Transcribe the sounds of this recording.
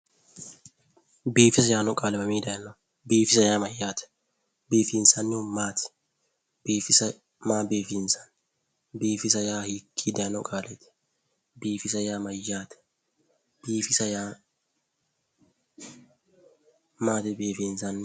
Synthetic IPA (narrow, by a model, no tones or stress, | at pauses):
biːfɪsɐjaːnɔkʼaːlɛbɐmiːd̪ɐjɐnɐ | biːfɪsɐjaːmɐjːaːt̪ɛ̥ | beːfiːnsɐnːɪʊmaːt̪ɪ̥ | biːfɪsɐ | maːbeːfiːnsɐ̥n | biːfɪsɐjaːhikʰːiːd̪ɐnɔkʼaːlɛt̪ɪ̥ | biːfɪsɐjaːmɐjːaːt̪ɛ̥ | b̥iːfɪsɐjaː | maːt̪ɪbeːfiːnsɐnːɪ